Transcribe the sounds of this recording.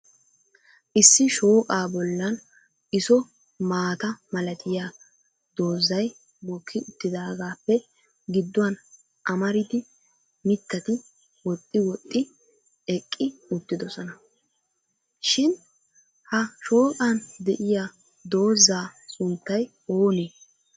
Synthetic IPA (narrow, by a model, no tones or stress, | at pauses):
ʔɪsːɪʃo̞ːkʼaːbɔlːɐn | ʔɪsɔ | maːt̪ɐmɐlɐt̪ɪjaː | d̪̥o̞ːzːɐj | mɔkʰːɪʔʊt̪ːɪd̪aːɡaːpːɛ | ɡɪd̪ːʊwɐn | ʔɐmɐɾɪd̪ɪ | mɪt̪ːɐt̪ɪ | wɔt̪ʼːɪwɔt̪ʼːɪ | ɛkʼːɪʊt̪ːɪd̪ɔsɔnɐ | ʃɪn | hɐʃo̞ːkʼaːnd̪ɛʔɪja | d̪o̞ːzːaːsʊnt̪ːɐj | o̞ːneː